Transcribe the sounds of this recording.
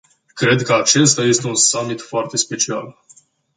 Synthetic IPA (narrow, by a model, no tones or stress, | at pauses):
kɾe̞d̪kəat͡ʃe̞st̪aje̞st̪e̞unsamːit̪foart̪e̞spe̞t͡ʃia̰l